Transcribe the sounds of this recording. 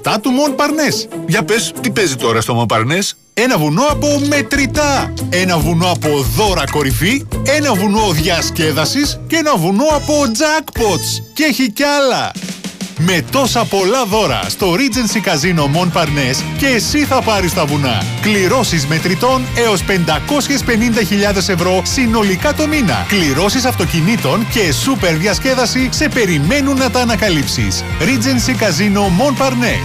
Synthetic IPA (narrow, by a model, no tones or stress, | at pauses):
t̪ɐt̪umo̞npɐɾne̞sʝɐpe̞st̪ipe̞zit̪o̞ɾɐst̪o̞monpɐ̰ɾne̞s | e̞nɐvuno̞ɐpo̞me̞t̪ɾit̪ɐe̞nɐvuno̞ɐpo̞ðo̞ɾɐko̞ɾifie̞nɐvuno̞ðʝɐsce̞ðɐsiscee̞nɐvuno̞ɐpo̞d͡zɐkpo̞t̪sceçicɐlɐ̰ | me̞t̪o̞sɐpo̞lɐðo̞ɾɐ̰st̪o̞ɾid͡zensikɐzino̞mo̞npɐɾne̞sce̞ːsiθɐpɐɾist̪ɐvunɐ̰ | kliɾo̞sizme̞t̪ɾit̪o̞ne̞o̞spe̞nd̪ɐko̞sçe̞spe̞nind̪ɐçiʎɐðe̞se̞vɾo̞sino̞likɐt̪o̞minɐ̰kliɾo̞sisɐft̪o̞cinit̪o̞nce̞supe̞ɾðʝɐsce̞ðɐsise̞pe̞ɾime̞nunːɐt̪ɐːnɐkɐlipsḭs | ɾid͡zensikɐzino̞mo̞npɐɾne̞̰